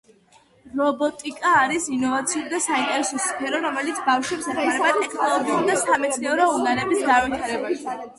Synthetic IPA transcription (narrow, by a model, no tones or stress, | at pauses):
ɾɔbɔt̪ʼikʼaːɾisinɔvat̪sʰiud̪asaint̪ʼɛɾɛsɔspʰɛɾɔɾɔmɛlit̪sʰbafʃwɛpsɛt̪ʰwaaɾɛbat̪ʼɛkʰnɔlˠɔɡiud̪asamɛt̪sʰnɛɔɾɔunanɛbisɡanvit̪ʰaɾɛbaʃi